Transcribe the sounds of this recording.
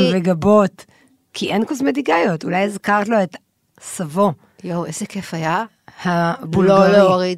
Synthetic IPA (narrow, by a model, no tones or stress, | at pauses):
veɡabot̪ | kʰiʔenkuzmediɡajotulajezkaʁtlo̞et̪ | savo̞ | jowezekefaja | habuloloʁi